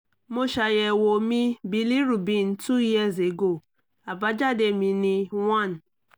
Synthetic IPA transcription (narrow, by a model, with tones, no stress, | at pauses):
mo˦ʃa˨je˨wo˨mi˦bi˨li˦ɾu˨bi˦˨n̩˦tu˦ji˦˨ze˨ɡo˦˨ | a˨ba˦d͡ʒa˦de˨mi˨ni˦ŋa˦˨n̩˨